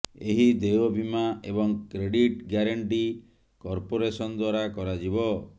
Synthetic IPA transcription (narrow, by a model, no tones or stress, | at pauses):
eɦid̪eobʱimaebɔŋkɾeɽiʈɡjaɾaɳʈi | kɔɾpoɾesɔnd̪waɾakɔɾad͡ʒibɔ